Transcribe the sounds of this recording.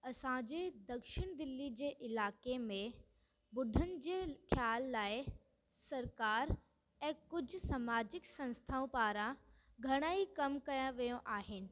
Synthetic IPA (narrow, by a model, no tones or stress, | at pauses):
ɐsãd͡ʑeːd̪ɐkʃɪɽ̃d̪ɪlːid͡ʑeːʔɪlaːkemẽ | bʊɖʱənɪ̆d͡ʑeːxʰjaːlːaːɪ | sɐɾkaːɾ | ɛ̃ːkʊd͡ʑʱʊ̆samaːd͡ʑɪksɐ̃nst̪ʰaːõpaːɾã | ɡʱɐɽ̃aːikɐmkɐjãʋijõʔaːɦɪnɪ̆